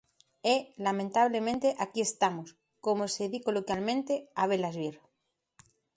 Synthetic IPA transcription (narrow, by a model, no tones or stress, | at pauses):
elamẽnt̪aβ̞lemẽnt̪eʔakie̞st̪amos | komoseðikolokjalmẽnt̪eaβ̞elazβiɾ